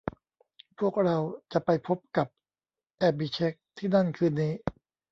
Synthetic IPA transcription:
pʰu˥˩ək̚ɾa˧wt͡ɕa˨˩ʔpa˧jpʰo˦˥p̚ka˨˩p̚ | ʔɛ˦˥p̚bi˧˩t͡ɕʰe˦˥k̚t̪ʰiː˥˩na˥˩nkʰɯː˧˩niː˦˥

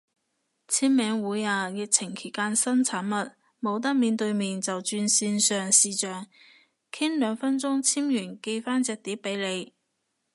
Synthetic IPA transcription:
t͡sʰiː˥mmɛː˨˧ŋwuː˨˥jaː˨˧jɪ˨k̚t͡sʰɪ˨˩ŋkʰe˨˩jkaː˥nsɐ˥nt͡sʰaː˨˥nmɐ˨t̚ | mo˨˧wt̪̬ɐ˥k̚miː˨˧nt̪ɵ˧ɥmiː˨nt͡sɐ˨wt͡ʃyː˧nsiː˧nsœː˨˩ŋsiː˨t͡ʃœː˨˩ŋ | kʰi˥nlœː˨˧ŋfɐ˥nt͡sʊ˥ŋt͡sʰiː˥mjyː˨˩nke˧jfaː˥nt͡sɛː˨˧k̚t̪iː˨˥p̚ːe˨˥jle˨˧j

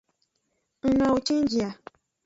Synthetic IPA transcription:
ŋ̩˦nã˨wo˨t͡ʃĩ˦n˦d͡ʒi˨a˨

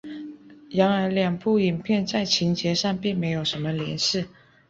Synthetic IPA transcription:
jɑ˧˥ŋə˞˧˥ljɑ˨˩ŋpu˥˩i˨˩ŋpʰjɛ˥˧nt͡sa˥˩ɪt͡ɕʰi˧˥ŋt͡ɕjɛ˧˥ʂɑ˥˧ŋpi˥˩ŋme˧˥ɪjo˨˩ʊʂə˧˥nmə˧ljɛ̰˧˥nɕ̩˥˩

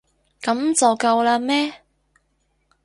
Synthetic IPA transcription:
kɐ˨˥mt͡sɐ˨wkɐ˧wlaː˧mɛː˥

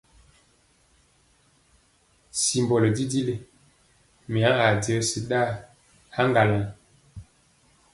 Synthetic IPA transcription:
si˨mbɔ˨lo˨di˦di˦le˦ | mi˨ã˦a˨di˨ə˦si˦ɗa˦˨ | a˦ŋɡa˨la˨

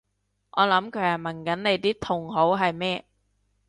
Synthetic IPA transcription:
ŋʔɔː˨˧lɐ˨˥mkʰɵ˨˧˥ɥɐː˨˩mɐ˨˩nkɐ˨˥nne˨˧jt̪iː˥t̪ʰʊ˨˩ŋɦo˨˥wɦɐ˨jmɛː˥

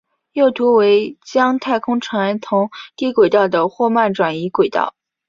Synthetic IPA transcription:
jo˥˩ʊt̪ʰu˧˥we˧˥ɪt͡ɕjɑ˥ŋt̪ʰa˥˩ɪkʰʊ˥ŋʈ͡ʂʰa˧˥nt̪ʰʊ˧˥ŋt̪i˥˩kwe˨˩ɪt̪ɑ˥˩ʊd̪ə˩xwɔ˥˧ma˥˩nʈ͡ʂwa˨˩ni˧˥kwe˨˩ɪt̪ɑ̰˥˩ʊ

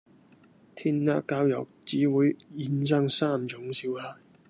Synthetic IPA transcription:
t̪ʰiː˥nːaː˥kːaː˧wjɐ˨w̚t͡siː˨˥wuː˨˧jiː˨˥nsœː˥˧ŋsaː˥mt͡sʊ˨˧˥ŋsiː˨˧whaː˧j

